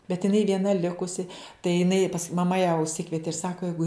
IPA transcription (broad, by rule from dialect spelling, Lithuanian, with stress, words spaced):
bʲɛt ɪˈnɐɪ ʋʲiɛˈnɐ ˈlʲɪkʊsʲɪ tɐɪ jɪˈnɐɪ pɐs mɐˈmɐ jæː ʊʃʲˈsʲɪkʋʲiɛtʲɪ ɪr ˈsɑːkoː ˈjɛɪɡʊ